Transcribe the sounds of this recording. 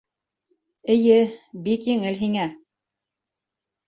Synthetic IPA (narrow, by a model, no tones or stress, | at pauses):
ɘ̆jɘbikjɘ̆ŋɘlɦiŋæ